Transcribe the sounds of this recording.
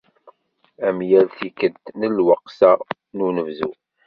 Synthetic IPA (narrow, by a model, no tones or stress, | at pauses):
æmjælθikəd̪nəlwəqsæ | nunəvzu